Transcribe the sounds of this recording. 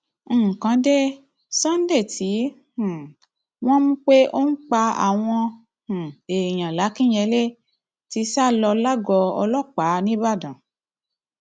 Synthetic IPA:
kã˨˦de˦ | sã˦n̩˦de˦˨ti˨˦ | hũ˨ | w̃ɔ̃˦mũ˦k͡pe˦ʔo˦n̩˦k͡pa˧a̰˨w̃ɔ̃˧ | hũ˨e˨j̃ã˨la˨˦kĩ˦˨j̃ɛ˧le˦ | ti˧sa˦˨lɔ˧la˦ɡɔ˧ɔ̰˧lɔ˦˨k͡pa˨˦nĩ˦ba˦˨dã˨

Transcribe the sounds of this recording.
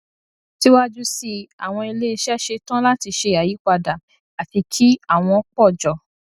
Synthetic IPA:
ti˦wa˦d͡ʒu˦si˧a̰˨w̃ɔ̃˧i˧le˦i˧ʃɛ˦ʃe˧tã˦la˦ti˧ʃe˧˨a˨ji˨˦k͡pa˧da˨ | a˨ti˧kʰi˦a˦˨w̃ɔ̃˧ɔ˦k͡pɔ˦˨d͡ʒɔ˨

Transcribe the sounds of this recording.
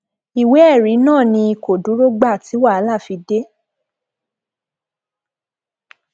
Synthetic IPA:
i˨we˨˦ɛ˦˨ɾi˨˦nãː˦˨nĩ˧i˧ko˨dũ˨˦ɾo˦ɡ͡ba˦˨ti˨˦wa˦˨a˨˦la˦˨fi˧de˦

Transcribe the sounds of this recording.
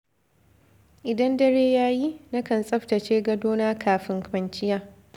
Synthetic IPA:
ʔɪ˨dɐ˦ndɐ˦ɾeː˦jaː˦ji˦na˦kɐ˨nsʼɐ˦ɸtɐ˨t͡ʃeː˦ɡɐ˦doː˦naː˦kʰaː˨ɸɪ˦ŋkɐ˨nt͡ʃɪ˦jaː˦

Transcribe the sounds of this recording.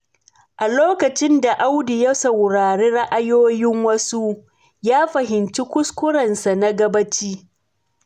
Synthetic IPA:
ʔa˨loː˦kɐ˨t͡ʃɪ˦nda˨ʔa˦wdi˨jɐ˦sɐ˨wɽaː˨ɾeː˦ɽɐ˦ʔa˦joː˦jɪ˦ŋwɐ˦su˦ | jaː˦ɸɐ˨ɦɪ˨nt͡ʃi˦kʷʊ˦skʷʊ˦ɽɐ˨nsa˨na˦ɡɐ˦bɐ˦t͡ʃiː˦

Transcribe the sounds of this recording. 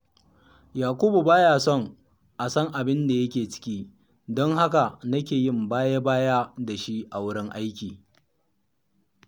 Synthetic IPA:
jaː˨kʷu˦bu˨baː˦jaː˨sɔ˦˨ŋ | ʔa˨sɔ˦ŋʔa˨bɪ˦nda˨jɐ˦kʲeː˨t͡ʃɪ̥˦kʲiː˦ | dɔ˦ŋha˦ka˨nɐ˦kʲeː˨jɪ˦˨mbaː˦ja˦baː˦jaː˦da˨ʃi˦ʔa˨wʊ˦ɽɪ˦ŋʔa˦jkʲiː˨

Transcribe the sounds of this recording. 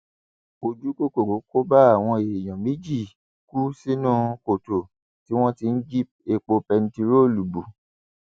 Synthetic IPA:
o˨d͡ʒu˦ko˦ko˨ɾo˨˦ko˦ba˦a˦˨w̃ɔ̃˧e˨j̃ɔ̃˨mẽ˦d͡ʒi˦˨ | ku˦si˦nũ˦ko˨to˨ | ti˨˦w̃ɔ̃˦ti˧n̩˦d͡ʒi˦p̚e˧k͡po˧pɛ˧n̩˦ti˧ɾo˦˨lu˨bu˨

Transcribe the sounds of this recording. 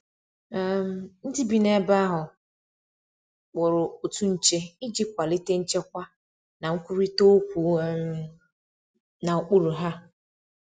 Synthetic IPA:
m˨n̩˦di˦bi˦ne˦ba˦ɦʊ˨ | k͡pʊ˨ɾʊ˨o˨tu˦n̩˨t͡ʃe˦ɪ˦d͡ʒi˦kʷa˨li˦te˦n̩˦t͡ʃe˦kʷa˦ | na˨ŋ̩˦kʷu˦ɾi˦to˦o˦kʷu˨˦m | na˨˦k͡pu˦ɾu˨ɦa˦

